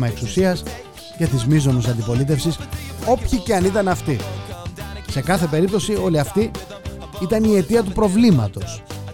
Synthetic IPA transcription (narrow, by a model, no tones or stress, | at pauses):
mɐe̞ksusiɐs | ce̞t̪izmizo̞nusɐnd̪ipo̞lit̪e̞fsiso̞pçiceɐnit̪ɐnɐft̪i | se̞kɐθe̞pe̞ɾip̚t̪o̞sio̞liɐft̪i | it̪ɐnie̞t̪iɐt̪upɾo̞vlimɐt̪o̞s